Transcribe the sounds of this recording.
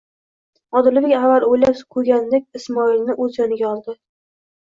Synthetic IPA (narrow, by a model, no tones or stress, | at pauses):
ɒd̪ɪlvɪkʲavalojlaskʰɵɡʲand̪ekʲɪsmɒilnɪʔɵzjɒnɪɡʲaɒlˠd̪ɪ